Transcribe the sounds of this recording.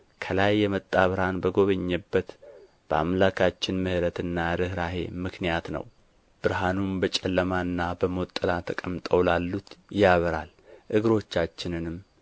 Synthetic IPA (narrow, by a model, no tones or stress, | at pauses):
kʰəlajːɛmət̪ʼːaβɨɾhanbəɡo̞βəɲːɛbːət̪ | b̥əa̰mlakʰat͡ʃːɪnmɨhɾət̪ɨnːaɾɨhɾaɦe̞̰mɨknijat̪nə̰w | b̥ɨɾɦanunbət͡ʃʼɛlːəmaɨnːabəmot̪ʼːɨlat̪ʰəkʼəmt̪ʼəwlalːut̪jaβəɾal | ʔɨɡɨɾo̞t͡ʃːat͡ʃːɪnɨnɨm